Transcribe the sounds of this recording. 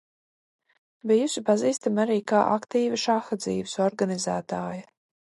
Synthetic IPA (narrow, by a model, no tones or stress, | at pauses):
bijusʲipaziːst̪amaɾiːkaːʔa̰kt̪iːviʃaxad̪zḭːvɪsɔɾɡanizæːt̪aːja